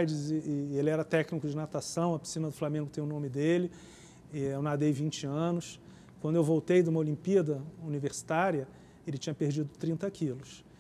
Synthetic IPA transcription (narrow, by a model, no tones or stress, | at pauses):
jd͡ʒɪzɪelɪɛɾɐt̪ɛknikʊd͡ʒɪnat̪asɐ̃w̃ɐpi̥sĩnɐd̪ʊflamẽŋɡʊt̪ẽj̃ʊnõmɪd̪elɪ | ɛewnad̪ejvĩnt͡ʃɪɐ̃nʊs | kwɐ̃nd̪ʊewvowt̪ejd̪ũmɐolĩmpiɐd̪ɐuniveɾsi̥t̪aɾiɐ | elɪt͡ʃĩɲɐpeɾd͡ʒid̪ʊt̪ɾĩnt̪ɐkilʊs